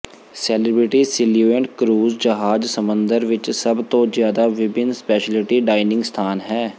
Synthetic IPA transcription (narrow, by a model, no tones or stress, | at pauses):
sɛːlɪbɾɪʈiːsɪljuːẽɳʈkɾuːzd͡ʒəɦaːd͡ʒsəmə̃nd̪əɾʋɪt͡ʃsəbt̪õːzjaːd̪aːʋɪbɪnspɛːʃəlɪʈiːɖaːɪnɪ̃ŋɡst̪ʰaːnɦɛː